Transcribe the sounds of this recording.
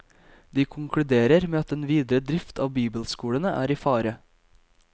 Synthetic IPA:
d̪iːkʰʊŋkʰɽʉd̪eːɾəɾmeːɑt̪eːnʋiːd̪ɾəd̪ɾɪft̪ʰɑːʋbiːbəlskuːɽənəʔæ̰ːɾiːfɑːɾə

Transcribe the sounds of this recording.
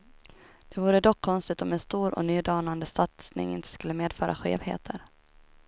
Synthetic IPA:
d̪̥ɛvuːɾəd̪ɔkʰːɔnst̪ɪt̪ɔmɛnst̪uːɾɔ̰nyːd̪ɑːnand̪əsat̪snɪ̰ŋɪ̰nt̪ə̥skɵlːəmeːd̪fœːɾʔa̰ɧḛːvhḛːt̪ʰəɾ

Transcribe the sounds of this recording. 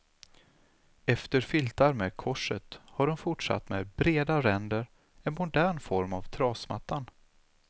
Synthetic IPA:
ɛft̪əɾfɪlt̪aɾmeːd̪kʰɔʂət̪haɖɔmfʊʈʂa̰t̪ːmeːd̪bɾeːd̪aɾɛnd̪əɾ | ɛnmʊd̪æːɳfɔɾmavt̪ʰɾɑːsma̰t̪ːan

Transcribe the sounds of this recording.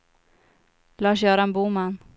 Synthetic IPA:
laːʃ̬œːɾaɛnbuːman

